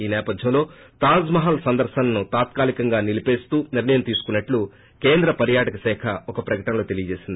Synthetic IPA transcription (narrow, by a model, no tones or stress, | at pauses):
iːnɛːpɐd̪ʱjɐmlo̞ː | t̪aːzmɐɦɐlsɐnd̪ɐɾʃɐnɐnut̪aːt̪̚kaːlikɐŋɡaːnilipe̞ːst̪uːniɾɳɐjɐmt̪iːsu̥kunːɐʈlu | ke̞ːnd̪ɾɐpɐɾjaːʈɐkɐsɛːkʰɐɔkɐpɾɐkɐʈɐnɐlo̞ːt̪e̞lijɐd͡ʒe̞ːsind̪ii